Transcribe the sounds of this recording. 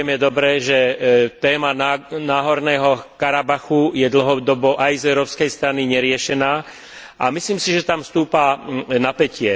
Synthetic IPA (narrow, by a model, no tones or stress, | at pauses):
ɛmjɛd̪ɔbɾɛʒɛt̪ɛːmananaːɦɔɾnɛːɦɔkaɾabaxujɛd̪l̩ɦɔd̪ɔbɔʔajzɛʊɾɔːpskɛjst̪ɾaniɲɛɾɪɛʃɛnaː | ʔa̰misliːmsiʒɛt̪amfst̪uːpanapɛcɪɛ